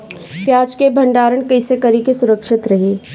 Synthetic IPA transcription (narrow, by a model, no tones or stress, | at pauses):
pjaːd͡ʒkebʱɐ̃ɳɖaːɾəɳkɐɪsekɐɾikesʊɾəkʃɪt̪ɾɐɦeː